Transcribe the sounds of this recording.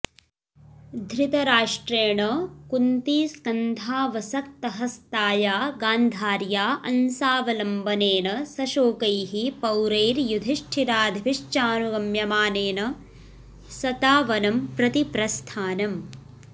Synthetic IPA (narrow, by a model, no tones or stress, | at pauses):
d̪ʱɾit̪ɐɾaːʂʈɾeːɳɐkunt̪iːskɐnd̪ʱaːʋɐsɐk̚t̪ɐɦɐst̪aːjaːɡaːnd̪ʱaːɾjaːʔɐnsaːʋɐlɐmbɐneːnɐsɐʃoːkɐjɦipɐwɾeːɾjud̪ʱiʂʈʰid̪aːd̪ʱʋiʂt͡ʃaːnuɡɐmjɐmaːneːnɐ | sɐt̪aːʋɐnɐmpɾɐt̪ipɾɐst̪ʰaːnɐm